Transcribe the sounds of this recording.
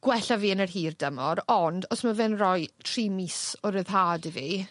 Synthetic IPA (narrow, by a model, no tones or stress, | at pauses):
ɡ̥wɛɬaviːənərɦiːrdəmɔɾɔndɔsmavɛnrɔjtʰriːmisɔɾəðɦaːdivi